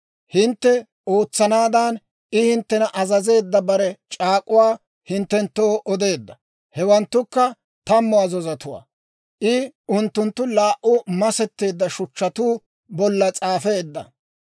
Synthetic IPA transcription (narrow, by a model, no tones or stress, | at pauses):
hɪnt̪ːɛ | oːt͡sːɐnaːd̪an | ɪhɪnt̪ːɛnɐʔɐzɐze̞ːd̪ːɐbɐɾɛt͡ʃʼaːkʼːʊwaː | hɪnt̪ːɛnt̪ːoːʔɔd̪e̞ːd̪ːɐ | hɛwɐnt̪ːʊkːɐ | t̪ɐmːʊɐzɔzɐt̪ʊwa̰ː | ʔɪʊnt̪ːʊnt̪ːʊlaːʔʊmɐsɛt̪ːe̞ːd̪ːɐʃʊt͡ʃːɐt̪uː | bɔlːɐt͡sʼaːfe̞ːd̪ːɐ̰